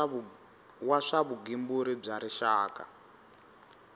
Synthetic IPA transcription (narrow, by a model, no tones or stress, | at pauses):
waʂaβuɡimbuɾib͡ʐaɾiʃaːka̰